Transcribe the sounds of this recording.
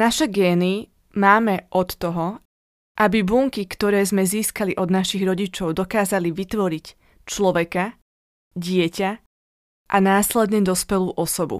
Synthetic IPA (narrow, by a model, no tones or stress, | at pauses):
naʃɛɡɛːni | maːmɛʔɔt̪ːɔɦɔ | ʔabibuŋkikt̪ɔɾɛːzmɛziːskaliʔɔd̪naʃiɣɾɔɟit͡ʃɔʊd̪ɔkaːzaliʋit̪ʋɔɾic | t͡ʃlɔʋɛka | ɟɪɛca | ʔanaːslɛd̪ɲɛd̪ɔspɛluːʔɔsɔbṵ